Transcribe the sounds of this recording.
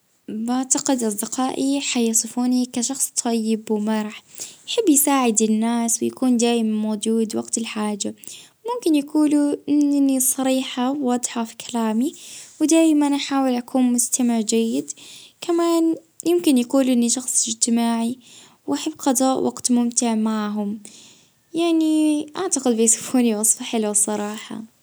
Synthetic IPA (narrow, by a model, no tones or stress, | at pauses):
baʕt̪aqɪd̪ʔɑsˤd̪ɪqɑːʔiħajɑsˤɨfuːnikaʃɑxsˤt̪ˤʰɑjːɪbwɪmɑɾˤħjaħabːjsaːʕɪd̪ɪnːaːswɪjakuːnd̪aːjmanmoːd͡ʒuːd̪waɡt̪ɪlħaːd͡ʒa | mʊmkɪnjakuːluʔɪnːisˤɑɾiːħawːɑd̪ˤħɑfi̥kʰalaːmiwɪd̪aːjmanʔaħaːwɪlʔakʰuːnmʊst̪amɪʕd͡ʒajːɪd̪kʰamaːn | jɪmkɪnjakuːlʔɪnːiʃɑxsˤɪd͡ʒt̪ɪmaːʕi | wʔaħabːqɑd̪ˤɑːʔwʔɑ̰ɡt̪mʊmt̪ɪʕmaʕɦʊm | jaʕniʔaʕt̪aqɪd̪bɪjsʊ̥fuːniwɑsˤfaħɪluwsˤɑɾˤɑːħɑ̰